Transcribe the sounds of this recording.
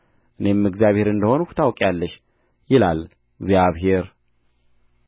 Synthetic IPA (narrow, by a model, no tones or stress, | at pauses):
ʔɨne̞mɨɡzijaβhe̞ɾɨnd̪əho̞nukʰu̥t̪ʰawkʼjalːəʃ | jɪlal | ɡzjaβɦe̞ɾ